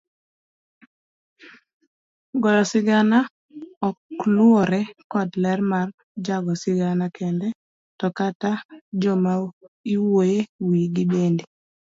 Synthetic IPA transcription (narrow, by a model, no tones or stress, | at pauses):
ɡɔlɔsɪɡana | ɔkluɔɾɛkɔdlɛrmar | d͡ʒaɡɔsɪɡanakʰɛndɛ | tɔkatad͡ʒɔmaiwojewiɡɪɓendi